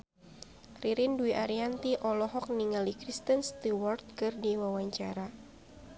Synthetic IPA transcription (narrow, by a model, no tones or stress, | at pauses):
riɾinduiʔaɾiant̪iʔɔlɔɦɔk̚niŋalikɾist̪ənst̪iwɔrt̪̚kɨrdiwawaɲt͡ʃaɾa